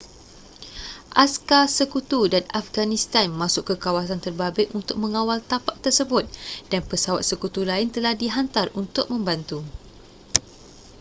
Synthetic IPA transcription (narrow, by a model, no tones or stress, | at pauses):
ʔaskasəkut̪udanafɡanĩst̪anmãsʊʔkːəkawasant̪ərbabɪʔunt̪ʊk̚mə̃ŋawalt̪apaʔ̚t̪ərsəbʊt̪̚d̥anpəsawat̪̚səkut̪ulaɪnt̪əlahdiɦant̪arunt̪ʊk̚mə̃mbant̪u